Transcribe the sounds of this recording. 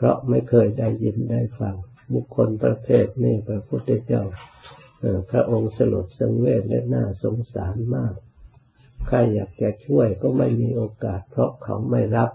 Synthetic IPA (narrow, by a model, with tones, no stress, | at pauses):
pʰɾɔ̰˦˥ʔma˥˩jkʰɤː˧jda˥˩jːi˧nda˧˥˩jfa˧ŋ | bu˨˩kʰːo˧npɾa˧t̪ʰeː˥˩t̪̚meː˧˥˩pɾa˧pʰu˦˥˩t̪ʰːe˧t͡ɕa˧˥˩whaː˧˩pʰɾa˦˧˥ʔo˧ŋsa˧lṵ˨˩t̪̚sa˧ŋweː˥˩t̪̚lɛ̰˦˥na̰ː˥˩so˨˦ŋsaː˨˩˦nmaː˥˩k̚ | kʰːa˧˩jːaː˨˩k̚t͡ɕa˨˧˩t͡ɕʰu˥˩əjkɔː˥˩ma˥˩jmiː˧ʔoː˧kaː˨˩t̪̚pʰɾɔ˦˥kʰa̰˨˩wma˥˩jɾa˦˥p̚